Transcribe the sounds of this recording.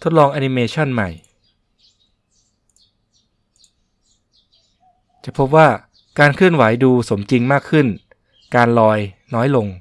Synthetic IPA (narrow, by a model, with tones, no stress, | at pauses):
t̪ʰo˦˥t̪̚lɔː˧ŋʔaː˧ni˧meː˧t͡ɕʰa˥˩nma˨˩j | t͡ɕa˨˩pʰo˦˥p̬̚waː˥˩ | kaː˧nkʰɯ˥˩ənwa˩˦jduː˧so˩˦mt͡ɕi˧ŋmaː˥˩kʰːɯ˥˩n | kaː˧nlɔː˧jnɔː˦˥jlo˧ŋ